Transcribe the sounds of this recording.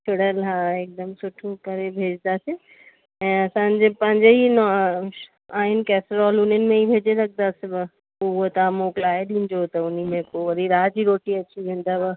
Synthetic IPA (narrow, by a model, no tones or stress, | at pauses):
ʈʰʊɽəlɦãːeːk̚d̪əmsʊʈʰõkɐɾebʱeːd͡ʑd̪ase | ɛ̃ːɐsãːn̆d͡ʑepɐ̃ɦɪ̃ɲd͡ʑeinɔ | aːɦɪnɪ̆kɛːsɾɔːlʊn̤ənɪ̆mẽibʱeːd͡ʑelɐk̚ʰd̪aseb | ʊɦot̪aːmoːklaːeɗĩːn̆d͡ʑot̪ɐʊnimẽkoʋɐɾiɾaːd͡ʑiɾoːʈiɐt͡ɕʰiʋẽːnd̪aba